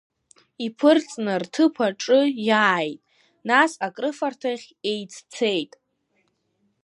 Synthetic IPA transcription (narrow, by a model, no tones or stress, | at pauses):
ipʰɨrt͡sʼnɨrtʰɨpʰaʈ͡ʂʼɨjaːjtʼ | nasakʼrɨfartʰaχʲ | e̞jt͡sʰt͡sʰe̞jtʼ